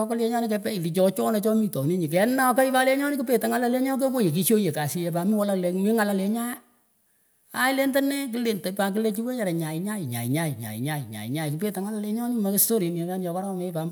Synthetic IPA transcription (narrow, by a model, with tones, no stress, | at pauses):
kɔ˦lje˦ɲa˦ni˦kɛ˦pɛ˦i˨li˨t͡ʃɔ˨˦t͡ʃɔ˦ne˨t͡ʃɔ˦mi˦tɔ˨ni˦ɲi˨k̬ɛ˨˦na˦ka˦i˦pa˦le˦ɲɔ˦nɪ˦ku˦pe˨ta˨ŋa˦la˦le˦ɲa˦k̬e˦ko˦je˨k̬i˦ʃjo˦je˨ka˨si˦je˨pa˨mi˦wɔ˦la˦le˦mi˦ŋa˦la˨le˨ɲa˦ja˦ | a˦i˦le˦nta˦ne˦ki˦le˨nte˨pa˨k̬i˦le˦t͡ʃi˦we˦ɲa˨ɾe˨ɲa˨ɪ˨ɲa˦i˨ɲa̰˨i˨ɲa˦i˨ɲa̰˨ḭ˨ɲa˦i˨ɲa̰˨ḭ˨ɲa˦jku˨pe˦˨ta˨ŋa˦la˨le˨˦ɲɔ˦ni˦ma˨ke˦sto˦ɾi˨ne˨ka˦njɔ˨ka˦ɾa˦˨me˦pa˨m